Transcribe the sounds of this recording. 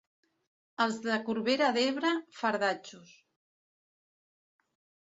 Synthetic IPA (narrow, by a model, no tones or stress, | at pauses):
əlˠzðəkuɾβeɾaðeβɾəfaɾðat͡ʃus